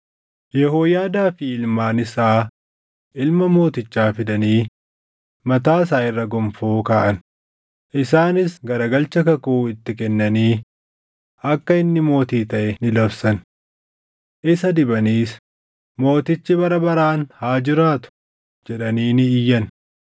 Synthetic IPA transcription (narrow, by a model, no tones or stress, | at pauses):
jɛhoːjaːd̪aːfɪɪlmaːnɪsaː | ʔɪlmɐmo̞ːt̪ɪt͡ʃːaːfɪd̪ɐniː | mɐt̪aːs̬aːɪrːɐɡɔmfoːkaːʔɐn | ʔɪsaːnɪsɡɐɾɐɡɐlt͡ʃɐkɐkuːɪt̪ːɪkɛnːɐniː | ɐkːɐɪnːɪmo̞ːt̪iːt̪ɐʔɛnɪlɐbsɐn | ʔɪsɐd̪ɪbɐniːs | mo̞ːt̪ɪt͡ʃːɪbɐɾɐbɐɾaːnhaːd͡ʒɪɾaːt̪ʊ̥ | d͡ʒɛᶑɐniːnɪɪjːɐn